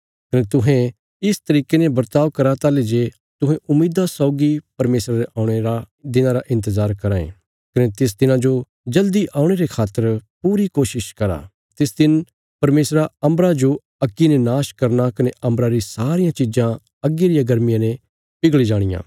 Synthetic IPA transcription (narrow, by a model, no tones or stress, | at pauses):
kɐnet̪ʊɦẽ | ɪst̪ɐɾiːkenebɐɾt̪aːʋkɐɾat̪aːled͡ʒe | t̪ʊɦɛ̃ʔʊmːiːd̪asɔːɡipɐɾmeːsɾaɾeʔaːʊɽ̃eɾa | d̪ɪnãɾaʔɪ̃nt̪əzaːɾkɐɾaːḛ̃ | kɐnet̪ɪs̬d̪ɪnãd͡ʒo | d͡ʒɐld̪iʔaːʊɽ̃eɾekʰaːt̪ːəɾpuːɾikoːʃɪʃkɐɾa̰ː | t̪ɪsd̪ɪn | pɐɾmeːsɾaɐ̃mbɾad͡ʒo | ɐkːinenaːʃkɐɾnakɐneʔɐ̃mbɾaɾisaːɾɪjãt͡ʃid͡ʒã | ɐɡːeɾijaɡɐɾmɪjãne | pɪɡɭid͡ʒaːɽ̃ɪjã̰ː